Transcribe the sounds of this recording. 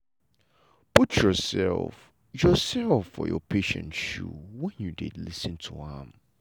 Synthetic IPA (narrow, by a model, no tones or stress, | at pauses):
pʰutʰjɔsɛ̰lf | jɔsɛlfːɔjɔpʰeʃɛ̰̃ntʃṵwɛ̃njudɪdlisɨ̃ntʰuãm